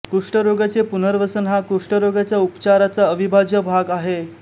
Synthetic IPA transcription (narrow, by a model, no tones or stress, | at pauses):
kuʂʈəɾoɡat͡sepunəɾʋəsənɦakuʂʈəɾoɡat͡ɕjaupt͡ɕaɾat͡saəʋibʱad͡ʑjəbʱaɡaɦe